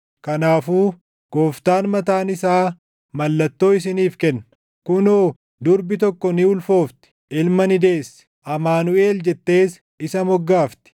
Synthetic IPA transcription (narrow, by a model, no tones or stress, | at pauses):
kɐnaːfuː | ɡ̥oːft̪aːnmɐt̪aːnɪsaː | mɐlːɐt̪ːo̞ːɪs̬ɪniːfkɛnːɐ | kʊnoː | d̪ʊɾbɪt̪ɔkːɔnɪʊlfo̞ːft̪ɪ̥ʔɪlmɐnɪd̪e̞ːsːʔɐmaːnʊe̞ːld͡ʒɛt̪ːe̞ːs | ɪsɐmɔɡːaːft̪ɪ̥